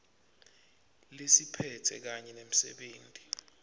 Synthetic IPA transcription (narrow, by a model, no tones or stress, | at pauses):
lisipʰɛtʰɛ̰k̬aɲɛnem̩sɛ̰ɓeːntʼi̥